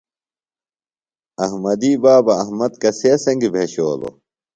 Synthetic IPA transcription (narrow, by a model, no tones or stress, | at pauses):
ɐɦmɐd̪iːbaːbɐɐɦmɐd̪kɐseɐsɐŋɡbʱeɕoːlo̰